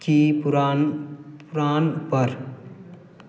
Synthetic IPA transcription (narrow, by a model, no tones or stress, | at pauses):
kipɾanpʊɾaːnpəɾ